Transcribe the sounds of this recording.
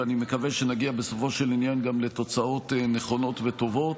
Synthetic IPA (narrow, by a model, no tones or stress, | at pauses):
anime̞kave̞ʃenaɡiabeso̞fo̞ʃe̞linjanɡamlet̪o̞t͡sao̞t̪neχo̞no̞t̪veto̞vo̞t